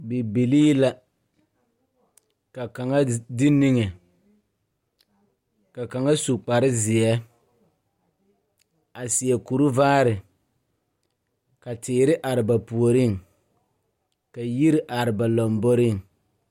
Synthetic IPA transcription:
bi˨bi˨liː˦la˦ | ka˨ka˨ŋa˦dɪ˦ni˦ŋɛ˨ | ka˨ka˨ŋa˦su˨k͡pa˨ɾɪ˦zɪ˨ɛ˦ | a˨sɪ˨ɛ˨ku˨ɾʊ˦vaː˦ɾɪ˨ | ka˨tɪː˨ɾɪ˦ʔa˨ɾɪ˨ba˨pu˨o˨ɾɪ˦˨ŋ | ka˨ji˦ɾɪ˦ʔa˨ɾɪ˨ba˨lɔ˨mbo˦ɾɪ˦˨ŋ

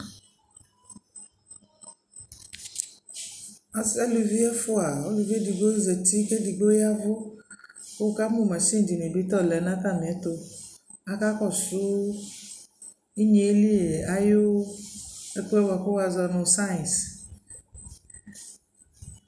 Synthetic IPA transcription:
a˨sɛ˦lu˨vi˦ɛ˦fʊ˦a˨ɔ˦lu˨vi˦ɛ˦di˨ɡo˦zɛ˨ti˦kɛ˦di˨ɡ͡bo˦ja˦vʊ˦ | ko˦˨ka˦mʊ˦˨mã˨ʃi˦n˨d͡ʒi˨ni˨bi˨˦t̪ɔ˦˨lɛ˨˦nã˦ta˦˨n˨ɛ˨˦tʊ˧ | a˦ka˦kɔ˦˨sʊ˦ | i˦ɲe˨˦li˦e˨a˦jʊ˦ | ɛ˦kɛ˦wa˨kʊ˦wa˨zɔ˧nʊ˨sa˦ĩ˨s

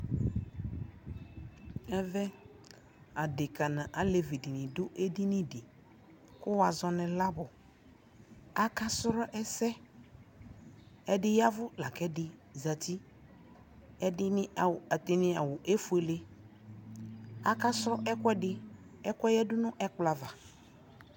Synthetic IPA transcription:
ɛ˦vɛ˦ | a˨dɪ˨ka˨nã˨ʔa˨le˨vi˨dɪ˨nɪ̃˨dʊ˦ʔe˦dɪ˦nɪ̃˦dɪ˨ | kʊ˦wa˨zɔ˨nɪ̃˨la˦bʊ˨ | a˨ka˦sʊ˦ɾɔ˦ʔɛ˦sɛ˦ | ɛ˦dɪ˦ja˦vʊ˦la˨kɛ˦dɪ˨za˨t̪i˦ | ɛ˦dɪ˦˨t̪ɪ˨nɪ̃˨a˨wʊ˨ʔe˦fu˦e˨le˦ | a˦ka˦sɾɔ˦ʔɛ˦kɛ˦dɪ˦ | ɛ˦kɛ˦jɛ˦dʊ˦nʊ̃˦ʔɛ˦k͡pla˨va˨

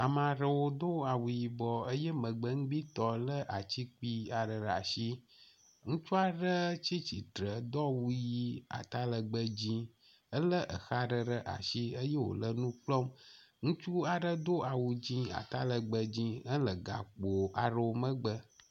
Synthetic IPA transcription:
a˨mã˨ɖə˨wo˦d̪o˦a˨wu˨ji˨bɔ˨ə˦jɛ˦mə̃˨ɡ͡bə˦ŋ̩̃˦ɡ͡bi˦t̪ɔ˦lə˦ʔa˨t͡ɕi˦k͡pi˦a˨ɖə˨ɖa̰˨ʃi˦ | ŋũ˦t͡ʃu˦a˦ɖə˦t͡ɕi˦t͡ɕi˨t̪ɾə˨d̪ɔ˦wu˦ji˦a̰˨t̪a˦lə˨ɡ͡bə˦d͡ʑĩ˦ | ə˦lə˦ʔə˨xa˦ɖə˦ɖə˦ʔa̰˨ʃi˦ə˦je˦wo̰˨lə˦nũ˦k͡plɔ˦mŋũ˦t͡ʃu˦a˨ɖə˦d̪o˦ʔa˨wu˨d͡ʑĩ˦a̰˨t̪a˦lə˨ɡ͡bə˨d͡ʑĩ˦ə˦lə˨ɡa̰˨k͡po˨ʔa˨ɖə˨wo˨mə̃˦ɡ͡bə˦

